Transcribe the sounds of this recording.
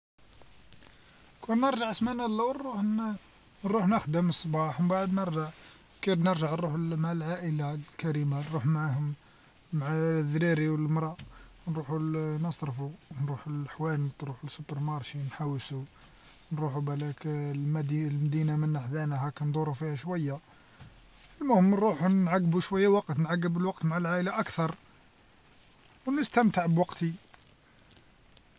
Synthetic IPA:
kʰunːəɾˤʒəʕəsmænælːæwnɾuħ | ɾˤuħnəxd̪əməsˤbɑħmbaʕəd̪nəɾʒəʕ | kiɾnəɾʒəʕnɾuħlmʕalʕaʔəlakæɾimanɾuħmʕahʊmː | ʕaðɾiɾiwəlmɾˤɑ | nɾuħunəsˤɾfunɾuħulħwælt̪ɾuħulsubəɾmɑɾˤʃinħawːsu | nɾˤuħubælæklmd̪ilmæd̪inamənːaħd̪ænæhækænd̪ˤuɾˤufihæʃwæjːa | əlmʊhəmːnɾˤuħunnʕaɡːbuʃwæjːawɑqt̪nʕaɡːəbəlwɑq̚t̪maʕalʕaʔəlaʔækt̪ɑɾˤ | wnəst̪əmt̪əʕbwɑqt̪i

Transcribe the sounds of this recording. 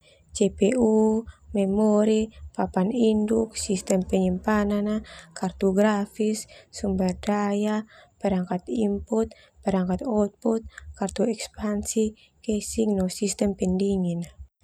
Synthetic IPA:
t͡ʃepeumɛmɔɾipapaninduk̚sist̪ɛmpɛɲimpananakart̪uɡɾafisːumbadajapɛɾaŋkat̪imput̪̚ | pɛɾaŋkat̪ɔt̪̚pɔt̪̚kart̪uɛkspansi | kɛsiŋnɔsist̪ɛmpɛndiŋina

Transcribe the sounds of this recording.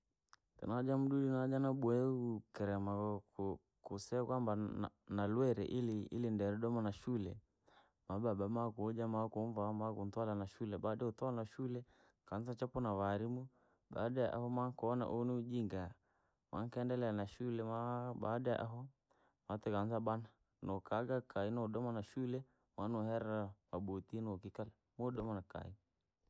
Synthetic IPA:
kɛ̰nad͡ʒam̩ɗuɗinad͡ʒanaɓuɛukɛɾɛmak | kusɛakwamba | nalwɛɾɛ̰ʔiliḭlindɛɾɛɗɔmanaʃulɛ | maɓaɓamakuɔd͡ʒamakuɱvamakuntwalanaʃulɛɓaɗɛutɔanaʃulɛ | kanzat͡ʃapɔnawaɾimu | ɓa̰ɗajaʔa̰hɔmaŋkɔna̰ʔɔniud͡ʒiŋɡa | ma̰ŋkɛndɛlɛanaʃulɛmaɓa̰daja̰ʔa̰ɦɔ | mat̪ɛkanzaɓana | nɔkaɡakainɔɗɔmanaʃulɛ | manɔhɛɾawaɓut̪inɔkikalɛ | mɔɗɔmanaka̰i

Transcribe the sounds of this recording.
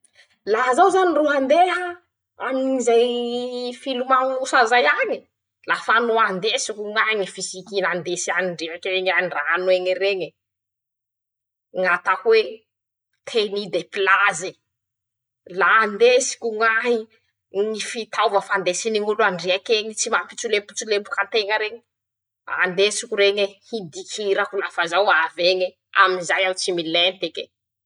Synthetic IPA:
lazawzaniruɦand̪eɦa | aminizaj | filumaŋusazajaɲi | lafanuand̪esikuŋaɦiŋifisikinand̪esianiɳɖ͡ʐeakeɲaranweŋireɲi | ŋat̪akwe | t̪ʰenid̪epilazi | laːnd̪esi̥kʲuŋaɦi | nifit̪ʰawvəfand̪esiniŋuluaɳɖ͡ʐiakeɲit͡simapit͡sulepu̥t͡sulepukant̪eŋəɾeɲi | a̰nd̪esikuɾeɲehid̪ikʰiɾakulafazawaveŋe | a̰minzajawt͡similɛnt̪eke

